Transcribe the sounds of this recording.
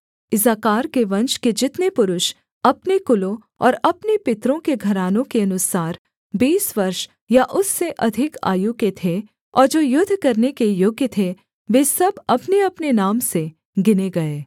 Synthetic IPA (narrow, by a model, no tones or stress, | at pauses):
ɪzaːkaːɾkeʋɐ̃nʃked͡ʒɪt̪nepʊɾʊʃ | ɐpnekʊlõ | ɔːɾɐpnepɪt̪ɾõkeɡʱɐɾaːnõkeɐnʊsaːɾ | biːsʋɐɾʃ | jaʔʊsːeʔɐd̪ʱɪka̰ːjuket̪ʰe | ɔːɾd͡ʒoːjʊd̪ʱːkɐɾnekejʊɡjət̪ʰe | ʋeːsɐbɐpneɐpnenaːmse | ɡɪneɡɐeː